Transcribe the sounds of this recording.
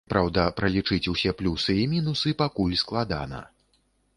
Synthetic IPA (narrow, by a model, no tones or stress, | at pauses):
pɾawd̪ɐpɾɐlʲit͡ʂɨt͡sʲusʲɛplʲusɨimʲinusɨpakulʲsklˠad̪a̰nɐ̰